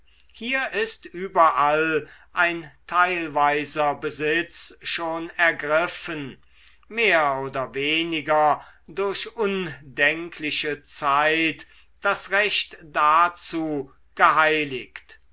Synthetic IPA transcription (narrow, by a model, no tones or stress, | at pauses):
hiːɐʔɪstʔyːbɐʔalʔaɪntʰaɪlvaɪzɐbəzɪt͡sʃoːnɛɐɡʁɪfən | meːɐoːdɐveːnɪɡɐdʊɐʃʔʊndɛŋkʰlɪʃət͡saɪt | d̥asʁɛʃtd̥at͡suː | ɡ̥əɦaɪlɪkt